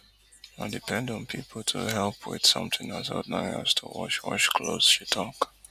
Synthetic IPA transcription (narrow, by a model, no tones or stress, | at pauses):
adɨpʰɛ̃ndɔ̃n̩pʰipʰl̩ˠtʰəhɛlˠpʰwɪ̰ð̥sʌ̰̃mθɪ̃ŋəzatnaɛstʰəwɑ̰t͡ʃwɔ̰t͡ʃkʰlosʃɨtʰɔk